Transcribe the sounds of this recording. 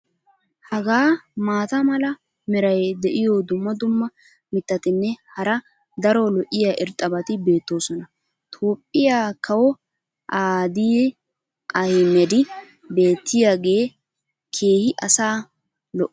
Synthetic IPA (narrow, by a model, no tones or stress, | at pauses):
hɐɡaːmaːt̪ɐmɐlɐ | mɛɾɐjd̪ɛʔɪjoːd̪ʊmːɐd̪ʊmːɐ | mɪt̪ːɐt̪ɪnːɛhɐɾɐ | d̪ɐɾolɔʔɪjaʔɪɾt̪ʼɐbɐt̪ɪbe̞ːt̪ːo̞ːsɔnɐ | t̪ʰo̞ːpʼːɪjaːkʰɐwɔ | ʔaːd̪ij | ʔɐjmɛd̪ɪ | be̞ːt̪ːɪjaːɡe̞ː | kʰe̞ːhɪʔɐsaː | lɔʔ